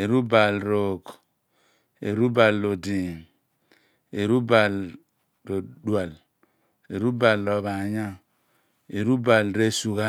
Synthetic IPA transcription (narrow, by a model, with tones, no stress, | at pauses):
e˨ɾu˦ba˨lɾo˨k | ḛ˨ɾu˦ba˨lːo˨di˨n | e˨ɾu˦ba˨l | ɾo˨dwa˨l | e˨ɾu˦ba˨llɔ˨βa˨ɲa˦ | e˨ɾu˦ba˨lɾe˦su˨ɣa˦